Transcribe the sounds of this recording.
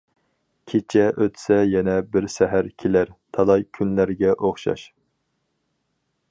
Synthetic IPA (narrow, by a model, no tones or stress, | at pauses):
kʲʰet͡ʃʰɛʔøt̪ʰsɛjɛnɛbɪɾsɛɦæɾkʲʰelæɾt̪ʰɑlˠɑjkʲʰynlæɾɡʲɛʔoχʃɑ̰ʃ